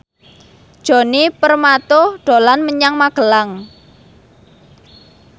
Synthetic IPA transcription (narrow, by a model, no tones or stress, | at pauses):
d̥ʒ̥o̤nipərmat̪ʊhɖ̥o̤lanməɲaŋmaɡ̥ə̤laŋ